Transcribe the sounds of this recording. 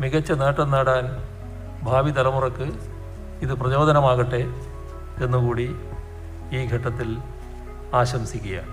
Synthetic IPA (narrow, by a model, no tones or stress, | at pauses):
miɣɐt͡ɕːɐneːʈːɐnːaːɽaːn | bʱaːʋit̪ɐlɐmurɐkːɨ | iðɨprɐt͡ɕo̞ːd̪ʱɐnɐmaːɣɐʈːe̞ | e̞nːukuːɽi | iːɡʱɐʈːɐt̪ːil | aːɕɐmsikʲːuja̰ː